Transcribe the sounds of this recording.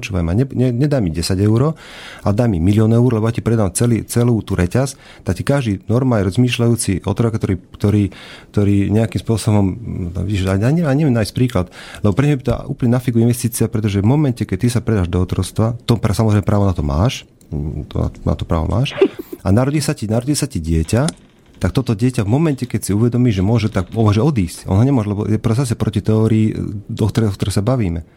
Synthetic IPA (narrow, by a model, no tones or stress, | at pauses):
t͡ʃuːʋa̰jmaɲɛɲɛɲɛd̪aːmiɟɛsaɟɛʊɾɔ | ad̪aːmːimilɪɔnɛuɾɔlɛbɔjacipɾɛd̪aːmt͡sɛliːt͡sɛluːt̪uːɾʔɛcas | t̪akcikaʒd̪inɔɾmajɛɾɔzmiːʃlajuːt͡siʔɔt̪ɾɔkt̪ɔɾiːkt̪ɔɾiːkt̪ɔɾiːɲɛakimspʊɔsɔbɔm̰ʋiɟiʒaaɲɛmaɲɛmɛnaːjiscpɾiːklat̪lɛbɔpɾɛɲmɛbit̪ʔṵːplɲɛnafiɡuɛinʋɛst̪iːt͡siapɾɛt̪ɔʒɛvmɔmɛncɛkɛc̚t̪isapɾɛd̪aːʒd̪ɔːt̪ɾɔst̪ʋat̪ɔpɾsamɔzɾɛɪmɛpɾaːʋɔnat̪ɔma̰ːʃ | t̪ɔ̰a̰a̰t̪ɔpɾa̰ːʋɔ̰mʔa̰ːʃanaɾɔɟisacinaɾɔɟiːlsaciɟɪɛca | t̪ak̚t̪ɔt̪ɔɟɪɛcavmɔmɛncɛkɛcsiuʋɛd̪ɔmiːʒɛmʊɔʒɛt̪akɔmɔʒɛɔd̪iːscɔ̰nɦɔɲɛmʊɔʒɛlɛbɔ̰jɛpɾɔsas̬ɛpɾɔcit̪ɛɔɾiːd̪ɔkt̪ɔɾɛɔkt̪ɔɾɛsabaʋiːmɛ